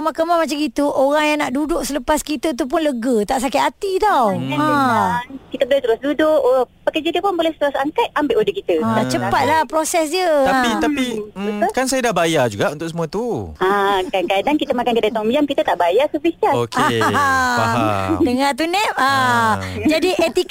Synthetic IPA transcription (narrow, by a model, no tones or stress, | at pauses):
kəmakəmamat͡ʃaɡit̪uʔoɾaŋjaŋnaʔdudʊʔsələpaskit̪ət̪̬up̬ʊnləɡət̪aʔsakɪt̪at̪it̪awaãakit̪əbəlɛt̪əɾʊsdudʊkpəkəd͡ʒakdiəpʊnbolɛhst̪əɾʊsaŋkat̪̚ambɪʔodəkit̪əaat͡ʃəpat̪̚lahpɾosɛs̬jət̪ait̪apimkansajadabajad͡ʒuɡaʔunt̪ʊʔsəmũət̪uakankadaŋkit̪əmakankədat̪ɔŋbiamkit̪ət̪aʔbajasəbisaoke | dəŋat̪̬unɛp̚a | d͡ʒadiʔet̪i